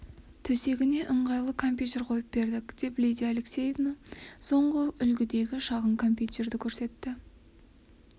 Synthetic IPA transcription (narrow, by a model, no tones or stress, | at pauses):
t̪ʰɵse̞ɡʲɪne̞ʔəɴʁɑjlˠəkʰo̞mpʲjut̪ʲe̞rqʰo̞jəp̚be̞ɾd̪ɪkd̪̥e̞plijd̪ijalekse̞jevnaso̞ɴʁəʔʏlɡʲɪd̪e̞ɡʲɪʃɑʁəɴkʰo̞mpʲjut̪e̞ɾd̪ɪkʲʰɵɾse̞t̪ːɪ